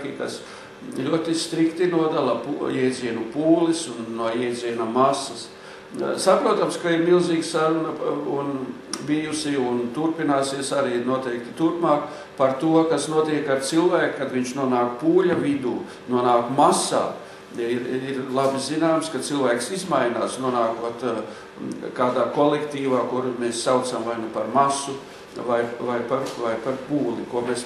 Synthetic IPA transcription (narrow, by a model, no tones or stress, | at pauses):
kʲika̰s | lʲuɔt̪ist̪ɾikt̪inuɔd̪alˠɐpujɛjd̪ziɛnupuːlisunːuɔjɛjd̪ziɛnɐmasɐs | sapɾuɔt̪amskaiɾmilˠziːɡsaɾunɐun | bijusiunt̪uɾpinaːsiɛsaɾiːnuɔt̪ɛjk̚t̪it̪uɾpmaːk | paɾt̪uɔkasnuɔt̪iɛkaɾt̪silˠvæːkkad̪ʋiɲt͡ʃnuɔnaːkpuːlʲavid̪uː | nuɔnaːkmasa̰ː | iɾiɾlˠabizinaːmskat̪silˠvæːksizmajnaːsnuɔnaːkot̪ | kaːd̪aːkolˠekt̪iːʋaːkuɾmeːssawt̪samvajnupaɾmasu | vajvajpaɾvajpaɾpuːlikuɔmes